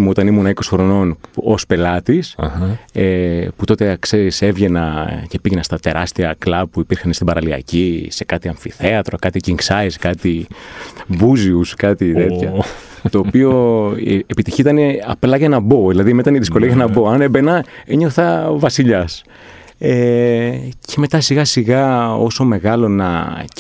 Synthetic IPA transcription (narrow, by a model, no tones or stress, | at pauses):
muot̪ɐnimunɐiko̞sixɾo̞no̞no̞spe̞lɐt̪isheput̪o̞t̪ekseɾisevʝe̞nɐce̞piʝenɐst̪ɐt̪e̞ɾɐst̪iɐklɐpuipiɾxɐnest̪ibɐɾɐliɐ̰cise̞kɐt̪iɐɱfiθe̞ɐt̪ɾokɐt̪iciŋksɐiskɐt̪i | buziuskɐt̪it̪e̞t̪çɐt̪o̞ːpio̞ | epit̪içiit̪ɐneɐplɐʝɐnɐbo̞ðilɐðimet̪ɐniðisko̞liɐɣɐnɐbo̞ɐnebenɐeɲo̞θɐvɐsiʎɐs | e | ce̞me̞t̪ɐsiɣɐsiɣɐo̞̰so̞me̞ɣɐlo̞nɐ